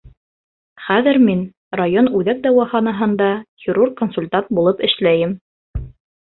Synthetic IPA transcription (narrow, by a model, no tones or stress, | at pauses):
χæðɘɾmin | rajonʉðæk̚d̪ɑwɑχɑnɑɦɤ̆nd̪ɑhʲɪɾurqkonsulʲt̪ant̪̚bulˠɤpɘ̆ʃlæjɘm